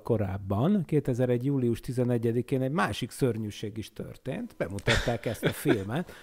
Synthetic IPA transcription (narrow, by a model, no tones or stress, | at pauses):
ko̞ɾaːbːɒnkeːt̪ɛzɛɾɛɟjuːliuʃt̪izɛnɛɟːɛd̪ikeːnɛɟmaːʃiksørɲyːʃeːɡiʃt̪ø̰rt̪eːnt̪bɛmut̪ɒt̪ːaːkɛst̪ɒfilmɛt̪